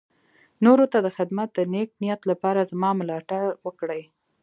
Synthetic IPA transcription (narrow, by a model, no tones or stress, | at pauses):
noɾot̪ad̪əxɪd̪mat̪̚d̪ənek̚nijat̪lapɑɾazmɑmlɑʈawəkɽəj